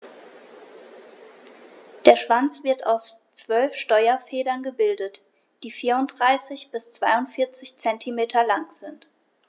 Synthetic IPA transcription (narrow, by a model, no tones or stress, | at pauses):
d̥eːɐʃv̥ant͡sv̥ɪɐtaʊst͡sv̥œlfʃtɔʏɐfɛːdɐnɡəbɪldət | d̥iːfiːɐʊntd̥ʁaɪsɪçb̥ɪst͡sv̥aɪʊntfɪɐt͡sɪçt͡sɛntʰimeːtʰɐlaŋz̥ɪnt